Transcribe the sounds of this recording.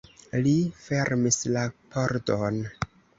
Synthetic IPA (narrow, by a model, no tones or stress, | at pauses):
life̞ɾmislapʰoɾdon